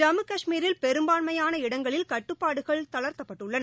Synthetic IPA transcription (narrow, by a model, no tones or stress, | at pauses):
d͡ʒɐmɯkɐʂmiːɾɪlpɛɾɯmbaːɳmɐjaːnɐɪɽɐŋɡɐɭɪlkɐʈːɯpːaːɽɯɣɐɭt̪ɐlɐɾt̪ɐpːɐʈːɯɭːɐnɐ